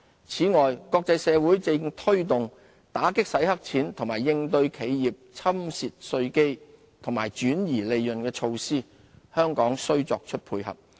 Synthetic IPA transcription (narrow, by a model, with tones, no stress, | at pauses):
t͡sʰiː˨˥ŋɔː˨jkɔː˧k̚t͡sɐ˧jsɛː˨˧wuː˨˥jt͡sɪ˧ŋt̪ʰɵ˥ɥt̪ʊ˨ŋ | t̪aː˨˥kɪ˥k̚sɐ˨˥jhɐ˥k̚t͡sʰiː˨˥nt̪ʰŋmaː˨˩jːɪ˧ŋt̪ɵ˧ɥkʰe˨˥jjiː˨p̚t͡sʰɐ˥msiː˨t̚sɵ˧ɥke˥j | t̪ʰʊ˨˩ŋmaː˨˩jt͡ʃyː˨˥njiː˨˩le˨jjɵ˨nkɛː˧t͡ʃʰo˧wsiː˥ | hœː˥ŋkɔː˨˥ŋsɵ˥ɥt͡sɔː˨k̚t͡ʃʰɵ˥t̚pʰuː˧jhɐ̰˨˩p̚